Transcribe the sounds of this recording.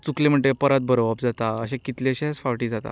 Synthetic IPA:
t͡suklẽm̤əɳʈepəɾat̪̚bʱəɾoʋapd͡zat̪aəɕẽkit̪leəɕesfaʋʈiːd͡zat̪a̰

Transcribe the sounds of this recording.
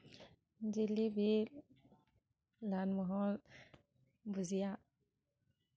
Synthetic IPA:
nd͡ʒilibi | lanmuɦɔ | buzia

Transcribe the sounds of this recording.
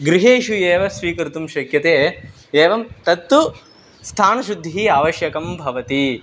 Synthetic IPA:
ɡɾiɦeːʃueːʋɐsʋiːkɐɾt̪umʃɐkjɐt̪eː | eːʋɐmt̪ɐt̪ːu | st̪ʰaːnɐʃud̪ʱːiɦiːaːʋɐʃjɐkɐmbʱɐʋɐt̪i

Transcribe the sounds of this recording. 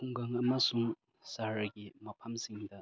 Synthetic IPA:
kuŋɡɐŋɐmɐsuŋ | saɾɐɡimɐpʰɐmsiŋd̪ɐ

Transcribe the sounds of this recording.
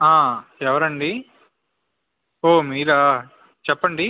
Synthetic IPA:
aːɛʋɐɾɐɳɖi | oːmiːɾɐ | t͡ʃɛpːɐɳɖi

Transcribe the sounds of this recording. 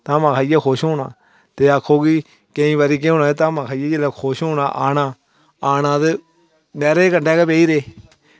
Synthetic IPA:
t̪ãːmãːkʰaːjaːkʰoːʃɦoːna̰ː | t̪eːakʰːoːkiː | keĩːʋaːɾiːk̬eoːnaːt̪ãːmãːkʰaːjeːd͡ʒelɛːkʰoːʃɦoːna̰ːʔaːnãː | aːnãːt̪e | nɛːɾeːkəɳɖɛːkepeːiːɾeː

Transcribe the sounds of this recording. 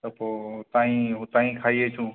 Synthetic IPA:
t̪əpoːt̪aːɦĩːɦʊt̪aːɦĩːkʰaːiːeːt͡ʃʰũː

